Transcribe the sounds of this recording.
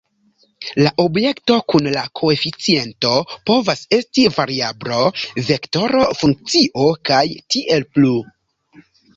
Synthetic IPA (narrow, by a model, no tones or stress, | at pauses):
laʔo̞bje̞kto̞kunlakʰo̞e̞fit͡sie̞nto̞po̞vase̞stivaɾiablo̞ve̞kto̞ɾofuŋk̚t͡siʔo̞kajtiʔe̞lplu